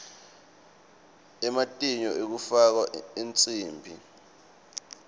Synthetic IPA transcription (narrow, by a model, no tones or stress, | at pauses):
ɛmatʼiɲɔʔek̬ufak̬waent͡sʼiːmbʱi